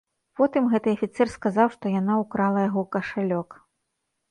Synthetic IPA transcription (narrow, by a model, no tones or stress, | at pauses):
pɔt̪ɨmɣɛt̪ɨɐfʲit̪sɛrskazawʂt̪ɔjanaukɾalˠɐjaɣɔkɐʂalʲɔk